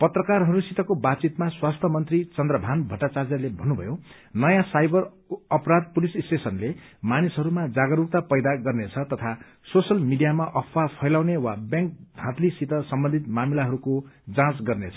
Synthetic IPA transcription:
pʌt̪rʌkarɦʌɾusit̪ʌkobat͡sit̪maswast̪ʰʌmʌnt̪rit͡sʌnd̪rʌbʱanbʱʌʈat͡sard͡zʌrlebʱʌnːubʱʌ̰jo | nʌjãsajbʌr | ʌpɾad̪̚pulissʈesʌnle | manisɦʌɾumad͡zaɡʌɾuk̚t̪apʌjd̪aɡʌrnet͡sʰʌt̪ʌt̪ʰa | sosʌlmiɖijamaʔʌpʰwapʰʌjlaw̃newabjãŋk̚d̪ʱãt̪lisit̪ʌsʌmbʌnd̪ʱit̪mamilaɦʌɾukod͡zãt͡sɡʌrnet͡sʰʌ

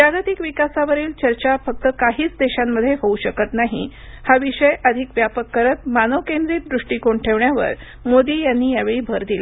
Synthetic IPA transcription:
pɾaɡət̪ikʋikasaʋəɾiːlt͡ɕəɾt͡ɕafək̚t̪əkaɦiːt͡sd̪eɕamːəd̪ʱːjeɦouɕəkət̪naɦḭ | haʋiɕəjʔəd̪ʱikʋjapəkːəɾət̪̚manəʋkend̪ɾiːt̪̚d̪ɾuʂʈiːkoɳʈʰeʋɳjaʋə̰ɾ | mod̪iːjanːiːjaʋeɭiːbʱəɾd̪ila

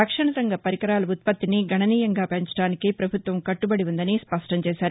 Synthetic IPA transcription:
ɐkʂɐɳɐsɐŋɡɐpɐɾikɐɾaːlɐut̪̚pɐt̪ːiniɡʱɐɳɐniːjɐŋɡaːpeɲt͡ʃɐ̥ɽaːnikipɾɐbʱut̪ʋɐmkɐʈːubɐɽiʋund̪ɐnispɐʂʈɐɲt͡ʃɛːsaːɾu

